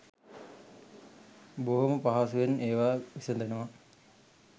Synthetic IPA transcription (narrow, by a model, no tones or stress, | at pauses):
boɦoməpaɦasuʋeneːʋaːʋisɐnd̪enəʋa